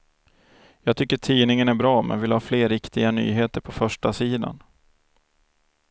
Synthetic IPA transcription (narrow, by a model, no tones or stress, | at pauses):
jɑːɡ̚t̪ʰʏkːəʈʰiːnɪŋənæɾbɾɑːmɛ̰nvɪlhɑːfleːɾːɪkt̪ɪɡany̰ːɦeːt̪əɾpʰɔfœʂʈasiːd̪a̰n